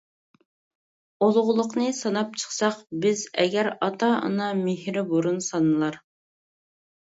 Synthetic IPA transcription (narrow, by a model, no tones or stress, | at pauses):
olˠʁʊlˠʊqnɨsɑnɑp̚t͡ʃʰə̥χsɑqbɪzɛ̰ɡʲæɾɑt̪ʰɑə̰nɑmehɾɪboɾunsɑnɨlˠɑɾ